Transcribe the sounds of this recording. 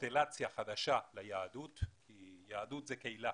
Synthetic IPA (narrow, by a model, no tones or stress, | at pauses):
t̪elat͡sjaχad̪aʃalajaːd̪ut̪kijaːd̪ut̪zɛkeila